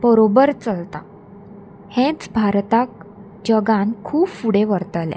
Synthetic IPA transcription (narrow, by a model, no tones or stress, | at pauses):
bəɾobəɾt͡səlt̪a | hɛ̃t͡sbʱaɾt̪ak̚ | d͡ʑəɡãnkʰuːbfuɽẽʋəɾt̪əlɛ̰̃